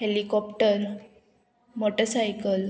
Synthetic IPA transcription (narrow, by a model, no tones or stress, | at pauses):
helikɔpʈəɾ | moʈəsajkəl